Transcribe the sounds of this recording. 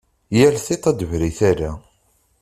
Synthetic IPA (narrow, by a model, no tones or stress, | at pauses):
jælθit̪ˤæd̪əvɾiθaɾa